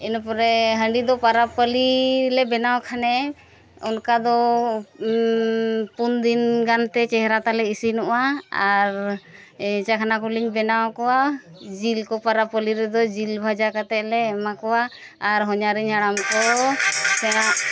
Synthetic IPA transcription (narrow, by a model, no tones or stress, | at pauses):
inɔpɔɾɛɦəɳɖid̪ɔpaɾapəlilɛbɛnawkʰanɛ | ɔnkad̪ɔ | pund̪inɡant̪ɛt͡ʃɛɦɛɾat̪alɛisinɔʔaaɾ | t͡ʃakʰanakuliɲbɛnawkɔwa | d͡ʒilkɔpaɾapəliɾɛd̪ɔd͡ʒilbʱad͡ʒakat̪ɛʔ̚lɛːmakɔwaːɾɦɔɲaɾiɲaɽamkɔ | sɛnaʔ